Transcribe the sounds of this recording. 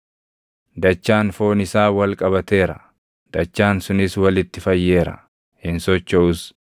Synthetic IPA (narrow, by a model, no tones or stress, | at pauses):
d̪ɐt͡ʃːaːnfo̞ːnɪsaːwɐlkʼɐbɐt̪e̞ːɾɐ | d̪̥ɐt͡ʃːaːnsʊnɪswɐlɪt̪ːɪfɐjːe̞ːɾɐ̰ | hɪnsɔt͡ʃːɔʊs